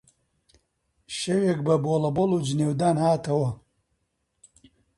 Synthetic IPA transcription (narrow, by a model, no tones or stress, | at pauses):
ʃeweːk̚bɐboːlɐboːluːd͡ʒneːwd̪aːnhaːt̪ɐwɐ